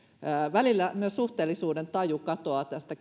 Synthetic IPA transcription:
ʋælilːæmyøssuht̪eːlːisuːdent̪ɑjukɑt̪oɑt̪æst̪æ

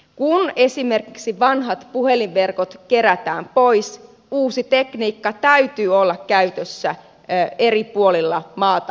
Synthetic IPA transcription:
kune̞simerkiksiʋɑnɦɑt̪puheliʋʋe̞rkot̪ke̞ɾæt̪æ̰ːmpo̞js | uːsit̪ekniːkːɑt̪æyt̪yːolːɑkkæyt̪øsːæ | eripuolilːɑmɑːt̪ɑ

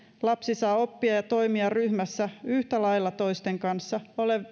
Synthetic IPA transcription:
lɑpsisɑːo̞pːiɑjɑt̪o̞imiɑryhmæsːæyht̪ælɑjlːɑt̪o̞ist̪eŋkɑnsːɑo̞le

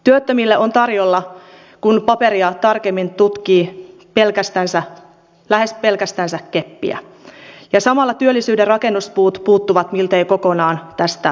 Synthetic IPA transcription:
t̪yøt̪ːømilːeʔont̪ɑrjolːɑ | kunpɑpeɾiɑt̪ɑrkemːint̪ut̪kiː | pelkæst̪ænsæ | læhe̞spe̞lkæst̪ænsække̞pːḭæ̰ | jɑsɑmɑlːɑt̪yølːisyːderrɑke̞nːuspuːt̪puːt̪ːuʋɑt̪milt̪eiko̞konɑːnt̪æst̪æ

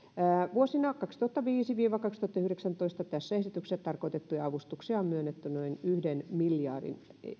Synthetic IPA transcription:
æːʋuosinɑkɑkst̪uhut̪ːɑʋiːsiʋiːʋɑkɑkst̪uhɑt̪ːɑyhɾeksænt̪oist̪ɑt̪æsːæesit̪ykset̪ɑrkoit̪et̪ːujɑɑʋust̪uksiɑmmyønːet̪ːynoinyhdenmiljɑːrḭn | ḛ

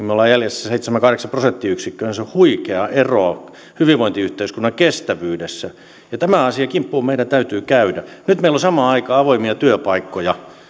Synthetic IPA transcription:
imeolːɑjæljesːæseit̪semækɑhɾeksɑprosent̪ːiyksikːønenseohuikeɑʔeroɑ | hyʋiʋʋoint̪iyht̪eiskunːɑkest̪æʋyːdesːæ | jɑt̪æmæɑsiɑkimpːuːmmeidænt̪æyt̪yːkæydænyt̪meilosɑmɑːɑikɑːɑʋoimiɑt̪yøpɑikːojɑ

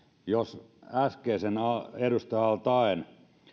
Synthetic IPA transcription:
josæskeːsenɑerust̪ɑjɑlt̪ɑen

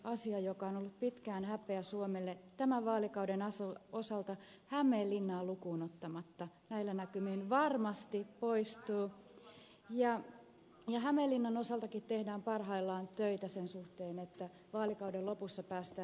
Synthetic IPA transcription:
ɑsiɑjokɑonolːuppit̪kæːnhæpˑeæsuomelːet̪æmæʋɑːlikɑudenɑsosɑlt̪ɑ | hæmelːinːɑːlukuːnot̪ːɑmɑt̪ːɑ | næilːænækymiːnʋɑrmɑst̪ipoist̪uː | jɑ | jɑhæmelːinːɑnosɑlt̪ɑkit̪t̪ehdæːmpɑrhɑilːɑːnt̪øit̪æsensuht̪eːnet̪ːæ | ʋɑːlikɑudellopusːɑpæːst̪æː

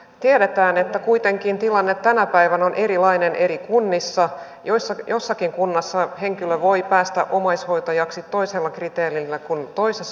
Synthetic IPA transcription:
t̪iedet̪æːnet̪ːækuit̪e̞ŋkint̪ilɑnːet̪ːænæpæjʋænonʔe̞ɾilɑine̞ne̞ɾikunːisːɑ | josːɑjo̞sːɑkiŋkunːɑsːɑhe̞ŋkiløʋo̞ipæːst̪æ̰ʔomɑisho̞jt̪ɑjɑksit̪ːo̞iselːɑkrit̪eːlilːækunt̪o̞ises

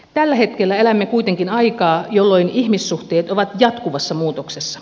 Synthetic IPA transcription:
t̪ælːæhet̪kelːæelæmːekuit̪eŋkinɑikɑːjolːoinihmisːuht̪eːt̪oʋɑt̪jɑt̪kuʋɑsːɑmuːt̪oksesːɑ̥

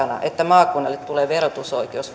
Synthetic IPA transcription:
ɑnɑ̰ʔet̪ːæmɑːkːˑunːɑlːet̪t̪uleːʋerot̪usoikeous

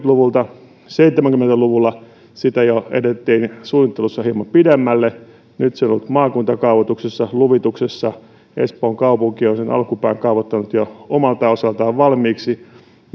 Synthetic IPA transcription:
t̪luʋult̪ɑ | seit̪ːˑemæŋkymːent̪æluʋulːɑ | sit̪æjoḛt̪et̪ːiːnsuːnit̪ːelusːɑhiemɑmpidemːælːe | nyt̪seonolut̪mɑːkunt̪ɑkɑuʋot̪uksesːɑluʋit̪uksesːɑ | ḛspoːŋkɑupuŋkionsenɑ̰lkupæːŋkɑuʋot̪ːɑnut̪joomɑlt̪ɑosɑlt̪ɑːʋʋɑlmiːksi

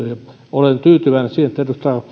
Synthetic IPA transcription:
øjɑ | olent̪yːt̪yʋæˑnesiːhent̪ːet̪yst̪æ

